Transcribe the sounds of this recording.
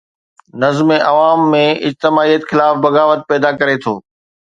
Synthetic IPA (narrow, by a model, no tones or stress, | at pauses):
nɐzmeʔɐʋaːmːẽɪd͡ʑt̪ɪmaːijət̪xɪlaːfbɐɣaːʋət̪̚pɛːd̪akɐɾet̪ʰo̰ː